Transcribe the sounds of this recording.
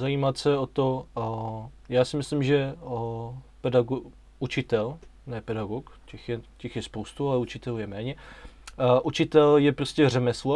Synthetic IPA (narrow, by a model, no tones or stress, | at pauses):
zajiːmat̪sɛot̪o | jaːsɪmɪslimʒɛ | pɛdaɡo | ut͡ʃɪt̪ɛlnɛːpɛdaɡokcɛxjɛcɛxjɛspowst̪ualɛut͡ʃɪt̪ɛlujɛmɛːɲɛ | ʔut͡ʃɪt̪ɛljɛpɾoscʲɛr̝ɛmɛslo